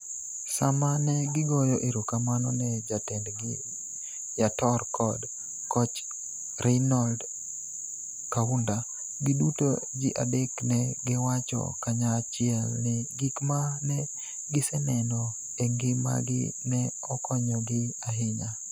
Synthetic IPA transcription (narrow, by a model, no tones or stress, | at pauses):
samanɛɡɪɡɔjɔʔiɾokamanɔnɛd͡ʒatɛndɡɪ | jatɔrkʰɔd | kɔt͡ʃ | rɛnɔld | kaunda | ɡɪduto̰d͡ʒɪʔadeknɛɡɪwat͡ʃɔ̰kaɲat͡ʃɪɛlnɪɡikmanɛ | ɡɪsɛnɛnɔ | ɛŋɡɪma̰ɡɪ̰nɛ | ɔkʰɔɲɔɡɪaɦɪɲa